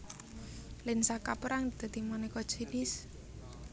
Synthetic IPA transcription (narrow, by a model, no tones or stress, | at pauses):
lɪnsakapəɾaŋd̪̥a̤d̪̥imanɛkɔd̥ʒ̥inɪs